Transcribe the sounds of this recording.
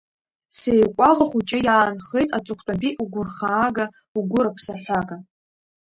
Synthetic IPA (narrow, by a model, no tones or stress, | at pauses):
sejkʷʼaʁaχut͡ʃʼajaːnχejtʼat͡sʷʼʊχʷʰtʼapʼiʔuɡʷʊrχaːɡa | uɡʷʊɾapʰsaħʷaɡa